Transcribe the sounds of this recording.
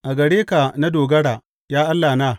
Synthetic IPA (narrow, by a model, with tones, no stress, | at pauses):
ʔa˨ɡɐ˨ɽeː˦ka˨na˦doː˨ɡɐ˦ɽaː˨ | jaː˦ʔa˦lːaː˨na˦˨